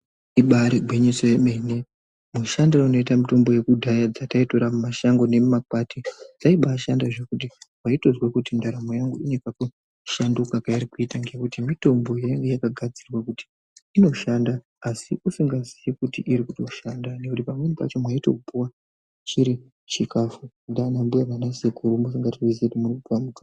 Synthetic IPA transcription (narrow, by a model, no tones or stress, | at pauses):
iɓaɾiɡʱwiɲesojemene | muʃandɾauno̞itamito̞mbo̞je̞kudʱajad͡zataito̞ɾamumaʃaŋɡo̞ne̞mumakwatid͡zaiɓaʃandaʐekut̬iwaito̞zwekutindaɾamojaŋɡuinekaku | ʃandukakaiɾikuitaŋɡe̞kutimito̞mbo̞jaŋɡejakaɡʱad͡zirwakuti̥ː | no̞ʃandaː | siʔusiŋɡazijikutiʔiɾikuto̞ʃandane̞kutipamwe̞nipa̰t͡ʃo̞mwaito̞̰kupuwa | t͡ʃiɾi | t͡ʃikafu | ndanambujaranasekʰuɾumus̬iŋɡatiizetimurikupamuka